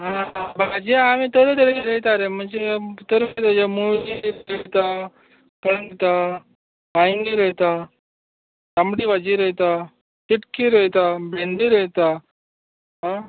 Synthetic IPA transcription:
ɦãbʱaɡad͡ʑeamit̪əɾet̪əɾekiɾəɦt̪aɾem̤əɳd͡zet̪əɾət̪ad͡ʑemuɭiəɦt̪a | pəɽəŋɡt̪a | paĩŋɡiɾəɦt̪a | t̪amɽiːʋad͡ʑiɾəɦt̪a | tiʈkiɾəɦt̪abʱẽnd̪iɾəɦt̪a | ɦã

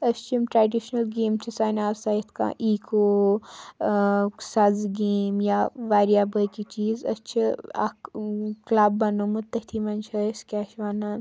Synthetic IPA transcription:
ɐst͡ʃʰimʈɾaːɖiʃnɐlɡeːmt͡ʃʰisaːjnaːsaːjt̪ʰkã̰ʔiːkoː | sɐzɡeːmjaʋaːɾijaːbəkit͡ʃiːzɐ̰st͡ʃʰia̰ | klabːɐnomut̪ːɐt̪ʰimɐnt͡ʃʰɐskaːʃʋaːna

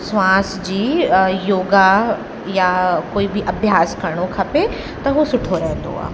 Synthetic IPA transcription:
sʋãːsd͡ʑiːjoːɡa | jakoːibɪʔɐbʱjaːskɐɾɽ̃okʰɐpe | t̪ɐɦusʊʈʰoɾɐɦẽnd̪o̰a̰ːɦ

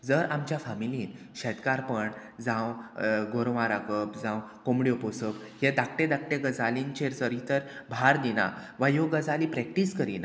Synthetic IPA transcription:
d͡zəɾamt͡ɕjafamiliːn | ɕɛt̪kaɾpəɳ | d͡zãwɡʱoɾʋãɾakəpd͡zãwkomɽioposəb | hed̪ak̚ʈed̪ak̚ʈeɡəd͡zalint͡ɕeɾt͡səɾit̪əɾbʱaɾd̪ina̰ʋajoɡəd͡zalipɾɛk̚ʈiskəɾina

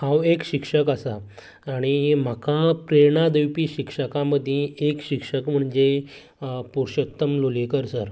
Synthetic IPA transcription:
hãwekɕikʂəkəsaː | ɽ̃im̤akapɾeɾɳ̃ad̪əwpiɕikʂəkaməd̪ʱːjẽːkɕikʂəkm̤əɳd͡ʑe | puɾɕət̪ːəmlolekəɾsəɾ

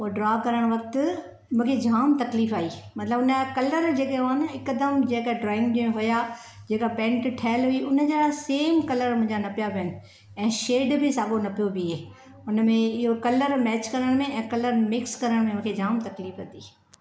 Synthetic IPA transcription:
uɖɾaːkɐɾəɽ̃ʋɐk̚t̪ʊ | mũːkʰed͡ʑʱaːmt̪ɐkliːfaːiːmɐt̪ləbʊnakɐləɾd͡ʑeːkẽɦnɪkəd̪əmd͡ʑeːkeɖɾaːɪ̃ŋɡɗĩɦʊja | d͡ʑeːkapɛ̃ːɳʈʈʰɛːɪlɦuiʔʊnəd͡ʑeːaseːmkɐləɾmʊ̃ɦɪ̃ɲd͡ʑanɐpijabijənɪ̆ | ɛ̃ːʃeːɖbʱɪsaːɡonɐpijobʱieː | ʊnmẽɪɦokɐləɾmɛːt͡ɕkɐɾəɽ̃mẽʔɛ̃ːkɐləɾmɪkskɐɾəɽ̃mẽmũːkʰed͡ʑʱaːmt̪ɐkliːfɐt̪iː

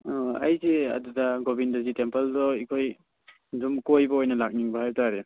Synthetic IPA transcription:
a̰jzeɐ̰dudaɡobindɐzitempeldɔikʰoj | zumkojbɐojnɐlak̚niŋbahajtaɾe

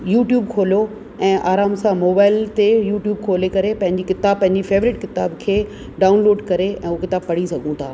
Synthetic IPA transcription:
juːʈjuːbkʰoːljo | ɛ̃ːʔaːɾaːmsãmoːbaːɪlt̪ejuːʈjuːbkʰoːlekɐɾepɐ̃ɦɪ̃ɲd͡ʑikɪt̪aːbpːɐ̃ɦɪ̃ɲd͡ʑifeːʋɾɪʈkɪt̪aːbkʰeː | ɖaːʊ̃nloːɖkɐɾeɛ̃ːukɪt̪aːbpɐɽ̤isɐɡʱũt̪ʰaː

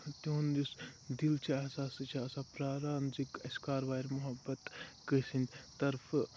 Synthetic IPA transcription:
t̪uund̪usd̪ilt͡ʃʰaɐɦsaːst͡ʃʰasapɾaːɾaːnzikɐskaːɾʋaːjɾmʊɦɐbɐt̪kəsind̪t̪ɐɾf

